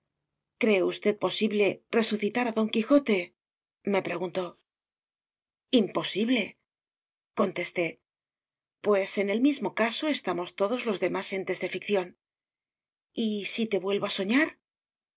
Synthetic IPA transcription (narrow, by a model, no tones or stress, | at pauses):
kɾe̞ust̪e̞t̪̚po̞siβle̞re̞suθit̪aɾaðo̞ŋkixo̞t̪e̞ | me̞pɾe̞ɣunt̪o̞ | impo̞siβle̞ | ko̞nt̪e̞st̪e̞ | pwe̞se̞ne̞lmizmo̞kaso̞e̞st̪amo̞st̪o̞ðo̞zlo̞zðe̞mase̞nt̪e̞zðe̞fikθjo̞n | isit̪e̞βwe̞lβoaso̞ɲaɾ